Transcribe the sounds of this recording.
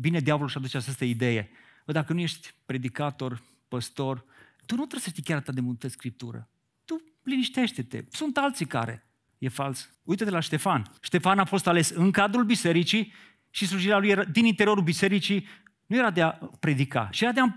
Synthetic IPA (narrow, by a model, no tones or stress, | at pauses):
bine̞d̪javolulʃad̪ut͡ʃeat͡ʃast̪əid̪e̞je̞̰əd̪akənujeʃt̪ʲpɾe̞d̪ikat̪o̞r | pəst̪o̞r | t̪unut̪ɾəsə̥ʃt̪ikʲaɾat̪ad̪emult̪əskɾip̚t̪uɾə̰ | t̪u | liniʃt̪e̞ʃt̪e̞t̪ḛsunt̪alt̪sika̰ɾe̞̰ | je̞fals | ujt̪ət̪elaʃt̪e̞fanʃt̪e̞fanafo̞st̪ale̞sɨŋkad̪ɾulbise̞ɾit͡ʃi | ʃisluʒilealujeɾad̪inint̪e̞ɾio̞ɾulbise̞ɾit͡ʃi | nuje̞ɾad̪eapɾe̞d̪ika̰ʃijeɾad̪ea